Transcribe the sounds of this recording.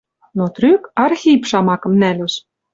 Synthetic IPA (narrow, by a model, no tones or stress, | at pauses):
not̪rykɑrxʲipʃɑmɑkɤ̆mnælʲus